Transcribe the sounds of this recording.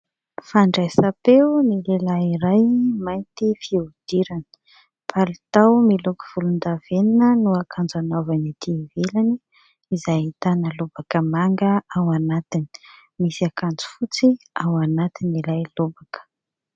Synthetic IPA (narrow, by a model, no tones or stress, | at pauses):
faɳɖ͡ʐajsapenilelaiɾajmajnt̪ifiud̪̥iɾanə̥ | pʰalit̪awmilukuv̥ulund̪av̥eninənuakʰand͡zanovanit̪ivelaniː | zait̪anəlubakəmaŋɡəawanat̪ini̥ | misiakand͡zu̥fut͡si | awanat̪inilajlobakə̥